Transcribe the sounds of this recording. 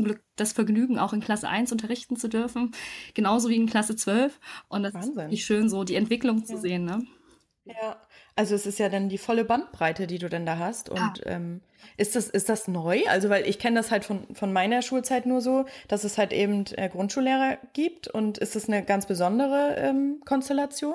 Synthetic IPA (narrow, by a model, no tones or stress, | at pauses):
t͡sʊmɡlʏk̚d̥asfɛɐɡnyːɡŋ̩ʔa̰ʊxɪnkʰl̥asə̰ʔa̰ɪnsʔʊntɐʁɪçtn̩t͡sudʏɐfn̩ɡ̥ənaʊzoːviːɪnkʰl̥asət͡sv̥œlfʔʊntd̥aszɪɪçʃøːnzoːdiːɛntv̥ɪklʊŋt͡suzeːənːə | jaː | ʔalzoɛsɪstjaːdandiːfɔləbant̚b̥ʁaɪtədiːduːdandaːɦastʊ̰ntʔɛ̰ːm | ʔɪstd̥asɪst̚d̥asnɔʏʔa̰lzovaɪlʔɪ̰çkʰɛnədashaltfɔnfɔnmaɪnɐʃuːlt͡saɪtnuːɐzoːd̥asɛshaltʔḛːbm̩tʔɛ̰ːɡʁʊntʃuːlːeːʁɐɡ̥iːp̚tʊntʔɪ̰std̥asnəɡant͡sb̥əzɔndəʁ̞əʔɛ̰ːmkʰɔnstɛlat͡sjoːn